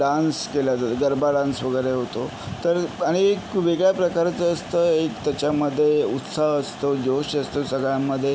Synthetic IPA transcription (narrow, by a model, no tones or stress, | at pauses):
ɖanskelat̪aɡəɾbaɖãnsʋəɡəjɾeɦot̪o | t̪əɾaɽ̃iekʋeɡɭjapɾəkaɾt͡səːst̪əekt̪jat͡ɕjaməd̪ʱːjeut̪saəst̪od͡ʑoɕəst̪osəɡɭjamːəd̪ʱːje